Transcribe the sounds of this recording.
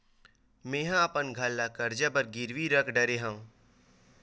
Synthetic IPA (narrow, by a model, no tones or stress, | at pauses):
mẽːɦãapənɡʱalːakɐɾd͡ʒabəɾɡɪɾʋiɾəkʰɖɐɾeɦãũ